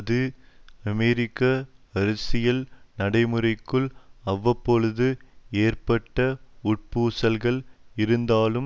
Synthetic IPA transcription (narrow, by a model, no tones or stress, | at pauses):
ɐðɯɐmɛɾɪkːɐɐɾɐsɪjɐlnɐɽɐɪmɯɾɐɪkːɯɭɐʋːɐpːɔɻɯðɯeːrpɐʈːɐʊʈ̚puːsɐlɣɐɭɪɾɯnd̪aːlɯm